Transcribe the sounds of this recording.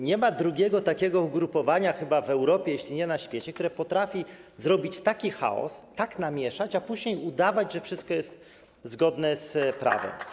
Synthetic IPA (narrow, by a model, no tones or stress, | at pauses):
ɲɛmad̪ɾuɡʲɛɡɔt̪akʲɛɡɔuɡɾupɔvaɲaxɘbavɛwɾɔpʲjɛjeɕlʲiɲɛnaɕfʲjet͡ɕɛk̚t̪uɾɛpɔt̪ɾafʲizɾɔbʲit͡ɕt̪akʲixa̰ɔ̰st̪aknamʲjɛʂat͡ɕapuʑɲejud̪avad͡ʑʐɛfʂɘst̪̚kɔjɛst̪̚ | zɡɔd̪nɛspɾa̰vɛ̰m